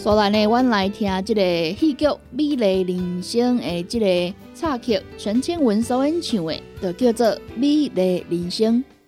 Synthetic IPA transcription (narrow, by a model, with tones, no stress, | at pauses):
sɔ˨˧˦la˨ne˨wa˦nla˨˧˦jt̪ʰj̃ã˧t͡ɕi˥˩ɾe˨hi˥˧kjo˥˨bi˦le˨˩li˨˩nɕə˦ŋe˨t͡ɕi˥˧te˨ | t͡sʰa˥˧kʰi˨˧˩k̚t͡ɕʰə˧˦nt͡ɕʰi˦˥nwə˧˦nsə˧˦e˦nt͡ɕʰjũ˨˩ḛ˨t̪ə˨˩kjo˥˧t͡sə˥˧˨bi˦le˨˦li˨˩ŋɕi˧˦ŋ